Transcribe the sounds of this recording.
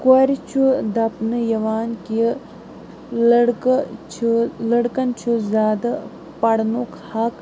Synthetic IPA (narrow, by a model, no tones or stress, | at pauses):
koɾt͡ʃʰud̪ɐpnɨjɐʋaːnki | ɽkt͡ʃʰlɐɽkɐnt͡ʃʰuzʲaːd̪ɐ | pɐɽnokhɐk